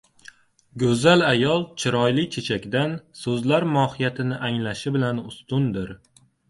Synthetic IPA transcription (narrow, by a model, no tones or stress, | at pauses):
ɡʲɵzalajɒlˠt͡ʃʰɪɾɒjlɪt͡ʃʰe̞t͡ʃʰakʲd̪ansɵzlaɾmɒhɪjat̪ʰɪnɪʔaŋlaʃɪbɪlanʊst̪ʊnd̪ɪɾ